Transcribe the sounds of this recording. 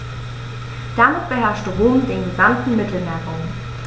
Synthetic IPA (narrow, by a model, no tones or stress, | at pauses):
d̥amɪt̚b̥əɦɛɐʃdʁoːmdeːnɡəzantn̩mɪtl̩nɛʁʊŋ